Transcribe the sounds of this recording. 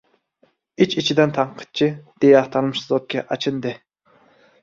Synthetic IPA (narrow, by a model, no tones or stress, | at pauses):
it͡ʃit͡ʃʰid̪ɛnt̪ʰɑɴqʰə̥t̪̚t͡ʃʰid̪̥ejɑχt̪ʰɑnmɨʃɨzot̪̚kʲʰɛʔɑt͡ʃʰɨnd̪ɨ